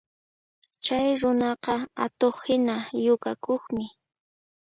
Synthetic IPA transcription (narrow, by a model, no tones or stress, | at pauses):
t͡ʃajɾʊnɑqɑat̪oχhɪnajʊkakoχmɪ